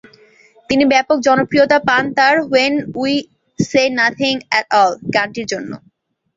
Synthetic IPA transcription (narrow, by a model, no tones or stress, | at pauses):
t̪inibɛpok̚d͡ʑɔnokɾiot̪apant̪aɾɦoenui | senat̪ʰiŋɛʈɔlkaɳʈiɾd͡ʑonːo̰